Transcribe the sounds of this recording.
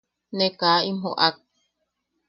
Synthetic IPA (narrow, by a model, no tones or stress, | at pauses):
nekaːimɦo̰ʔak̚